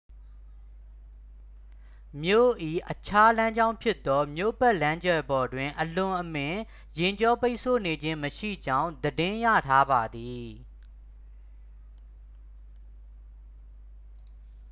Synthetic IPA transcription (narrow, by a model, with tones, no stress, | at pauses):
mjo̰˦˨ʔḭ˦˨ʔət͡ɕʰa˦lã˦ɲd͡ʑã˦ʊ̃mpʰjɪ˦t̪ːɔ˦mjo̰˦˨bɛ˦ʔlã˦ɲd͡ʑɛ˦˨bɔ˨dwɪ̃˨ʔəlʊ̃˨ʔəmɪ̃˨ | jɪ̃˨ɲd͡ʑɔ˦pe˦ɪʔsʰo˦˨ne˨d͡ʑɪ̃˦məʃḭ˦˨d͡ʑã˦ʊ̃nd̪ədɪ̃˦jä̰˦˨tʰa˦ba˨d̪i˨